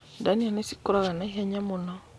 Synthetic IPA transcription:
danianesi̥kɔɾakanaɦaɲamɔnɔ

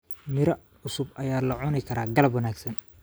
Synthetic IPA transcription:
mɪɾɐ | ʊsʊbʔɐjaːlɐʕʊnɪkʰɐɾaːɡɐlɐbwɐnaːɡsɐn

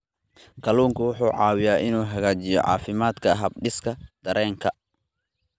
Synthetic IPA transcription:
kʰɐluːŋkʰɐwʊħuːʕɑːwɪjaːʔɪnuːɦɐɣaːt͡ʃɪjɔ̰ʕɑ̰ːfɪmaːd̪kʰɐɦɐb̚ɖɪskʰɐd̪̥ɐɾɛːŋkʰɐ

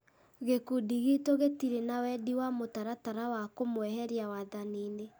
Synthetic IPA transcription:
ɣekudiɣitoɣetiɾenawɛdiwamotaɾataɾawakomwɛɦɛɾiawaðaniːne

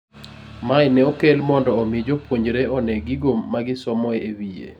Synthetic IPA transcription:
majnɛokelmɔndɔːmid͡ʒopwoɲd͡ʒɾeɔnɛɡiɡomːaɡɪsɔmɔeewiḛ

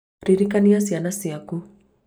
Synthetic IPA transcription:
ɾiɾikanijasianasiaku

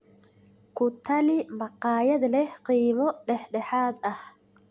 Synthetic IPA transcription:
kʰʊt̪ʰːɐlɪmɐqɑːjɐd̪lɛhqiːmɔɖɛħɖɛħaːd̪ɐh

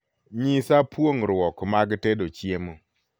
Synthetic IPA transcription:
ɲisapwoŋɾwɔkmaɡtedot͡ʃjemo

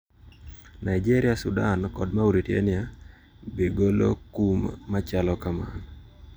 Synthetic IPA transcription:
naid͡ʒeɾɪasṵdankɔdmauɾitjḛnɪa | beɡolo̰kumːat͡ʃalɔkama̰n

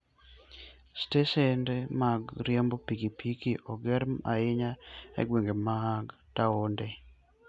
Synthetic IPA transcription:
stesɛndemaɡɾjembopikipʰikiʔɔɡɛɾma̰ɪɲaɛ̰ɡweŋɡemaɡ | taonde

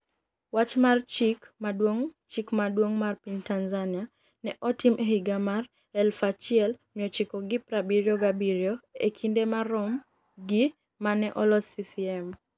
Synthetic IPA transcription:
wat͡ʃmart͡ʃikmadwoŋt͡ʃikmadwoŋmarpiɲtanzania | nɛʔɔtimʔeɦiɡamar | ɛlfat͡ʃiɪɛlmiɔt͡ʃikɔɡipɾabiɾjɔɡabiɾjoḛkʰindemarɔm | ɡi | manɛʔɔlɔsisiɛm

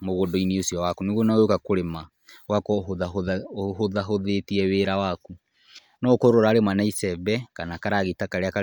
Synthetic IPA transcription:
moɣondoiniosiɔwakuneɣuonaojokakoɾema | wakɔðahoðaɦoðetiɛweɾawaku | nɔkoɾoɾaːɾemanaisɛbɛkanakaɾaɣitakaɾeaka

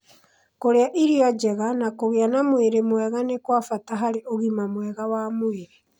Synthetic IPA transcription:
koɾeaʔiɾiɔd͡ʒɛɣanakoɣeanamweɾemwɛɣanekwafataɦaɾeʔoɣimamwɛɣawamweɾe

